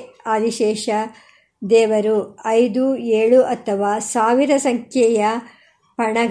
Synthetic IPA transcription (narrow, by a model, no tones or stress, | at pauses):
aːd̪iʃɛːʃɐ | d̪ɛːʋɐɾuɐjd̪ueːɭuʔɐt̪ʰːɐʋaːsaːʋiɾɐsɐŋkʰjɛjɐ | pɐɳɐ